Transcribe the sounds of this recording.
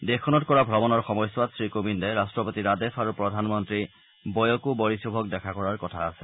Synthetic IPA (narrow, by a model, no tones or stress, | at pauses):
dekʰɔnɔtkɔɹabʱɹɔbɔnɔɹxɔmɔjswatsɹikobindɛɹastɹɔpotiɹadefʰaɹupɹɔdʱanmɔntɹi | bɔjɔkubɔɹisubʱɔk̚dɛkʰakɔɹaɹkɔtʰaːsɛ̥